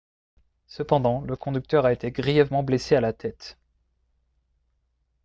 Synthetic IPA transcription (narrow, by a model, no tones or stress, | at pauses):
səpɑ̃d̪ɑ̃ləkʰɔ̃d̪yk̚t̪œʁaet̪eɡʁijɛvmɑ̃blesealat̪ʰɛt̪